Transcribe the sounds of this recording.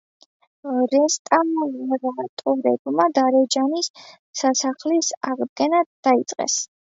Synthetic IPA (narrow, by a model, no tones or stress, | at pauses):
ɾɛst̪ʼalɛɾat̪ʼɔɾɛ̰bmad̪aɾɛd͡ʒanisː | asaχlisaʁd̪̚ɡɛnad̪̥ait̪sʼqʼɛ̰s